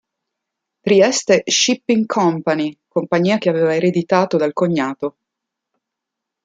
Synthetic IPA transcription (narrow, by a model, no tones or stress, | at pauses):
t̪ɾiɛst̪eʃipːiŋkʰɔmpanikompaɲːiːakeaveːvaeɾed̪it̪aːt̪od̪alkoɲːaːt̪o